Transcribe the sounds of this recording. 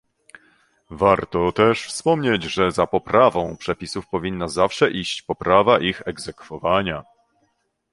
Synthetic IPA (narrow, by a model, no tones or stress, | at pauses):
vaɾt̪ɔt̪ɛʂfspɔmɲed͡ʑʐɛzapɔpɾavɔ̃w̃pʂɛpʲisufpɔvʲinːazafʂɛʔiɕt͡ɕpɔpɾavaʔixɛɡzɛkfɔvaɲa